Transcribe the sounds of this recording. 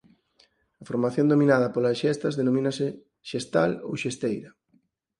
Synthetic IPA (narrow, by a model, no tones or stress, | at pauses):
ɐfoɾmaθjõnd̪omĩnaðɐpolasʃɛst̪ɐzðenomĩnasɪ | ʃest̪alo̰wʃest̪ejɾɐ